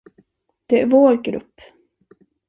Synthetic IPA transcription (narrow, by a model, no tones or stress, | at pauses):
d̪̥ɛæɾvoːɾɡɾɵ̰pː